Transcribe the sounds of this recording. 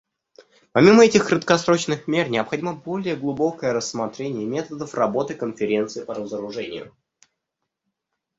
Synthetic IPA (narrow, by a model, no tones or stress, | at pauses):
pɐmʲiməɛtʲɪxkɾət̪kɐsɾo̞t͡ɕnɨxmʲe̞rnʲɪɐpxɐdʲiməbo̞lʲɪjəɡlˠʊbo̞kəjəɾəsːmɐt̪ɾʲenʲɪjəmʲe̞t̪əd̪əfrɐbo̞t̪ɨkənfʲɪɾʲe̞nt̪sɨpəɾəzəɾʊʐɛnʲɪ̰jʊ̰